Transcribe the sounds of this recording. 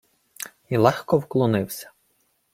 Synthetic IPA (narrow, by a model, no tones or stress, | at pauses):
ilˠɛxkɔwklˠɔnɪwsʲɐ̥